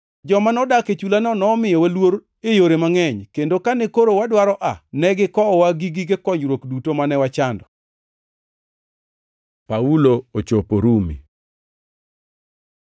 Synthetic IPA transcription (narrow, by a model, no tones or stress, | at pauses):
d͡ʒɔmanɔdaket͡ʃulanɔnɔːmɪjɔwalwoɾ | ejoɾemaŋɛɲkendokanɛkoɾowadwaɾɔʔanɛɡɪkɔwaɡiɡiɡekɔɲɾwokdutomanɛwat͡ʃandɔ | pauloot͡ʃopoɾumḭ